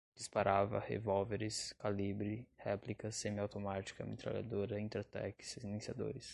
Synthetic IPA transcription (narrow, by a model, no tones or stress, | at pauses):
d͡ʒispaɾʔavɐ̰hḛvɔwveɾɪskalibɾɪhɛplikɐsẽmɪawt̪omat͡ʃi̥kɐmḛt̪ɾa̰la̰d̪oɾɐĩnt̪ɛɾt̪ɛkssinẽsiad̪o̰ɾɪs